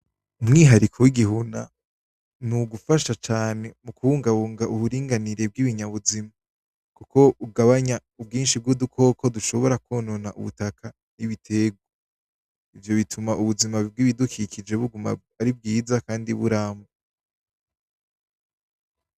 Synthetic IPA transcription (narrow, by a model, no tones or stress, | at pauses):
umŋiːɦaɾikʰowiɡiɦuna | nuɡufaʃat͡ʃaːne̞mukuhuːŋɡaβuːŋɡaʔuβuɾiːŋɡaniɾe̞b̚ɡiβiɲaβuzima | kuko̞uɡaβaɲaub̚ɡiːnʃib̚ɡudukʰo̞ːkʰo̞duʃo̞βo̞ɾakoːno̞naʔṵβṵtakʰa | niβitʰe̞ɡwwo | ivjo̞βitʰumaʔuβuzimaib̚ɡwiβidukʰikʰid͡ʒe̞βuɡuma̰ | aɾib̚ɡiːzakaːndiβuɾaːmo